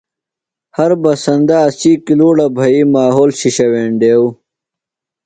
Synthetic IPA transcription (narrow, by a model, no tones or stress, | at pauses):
hɐɾbɐsɐnd̪aːsiːkiluːɽɐbʱɐimaːɦoːlɕiɕɐweːɳɖeːw